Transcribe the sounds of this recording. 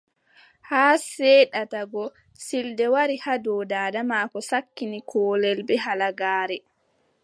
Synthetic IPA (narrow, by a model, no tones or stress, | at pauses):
haːsɛɗataɡɔ | sildɛwaɾihadɔːdaːdamaːkɔsakːinikʰɔːlɛlbɛɦalaɡaːɾɛ